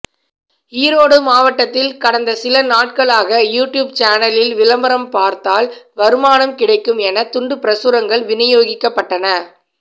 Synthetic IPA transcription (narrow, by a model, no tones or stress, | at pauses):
iːɾoːɽɯmaːʋɐʈːɐt̪ːɪlkɐɽɐnd̪ɐsɪlɐnaːʈ̚kɐɭaːɣɐjuːʈjuːb̚t͡ʃaːnɐlɪlʋɪlɐmbɐɾɐmpaːɾt̪aːlʋɐɾɯmaːnɐmkɪɽɐɪkːɯmɛnɐt̪ʊɳɖɯpɪɾɐsʊɾɐŋɡɐɭʋɪnɪjoːɣɪkːɐpːɐʈːɐnɐ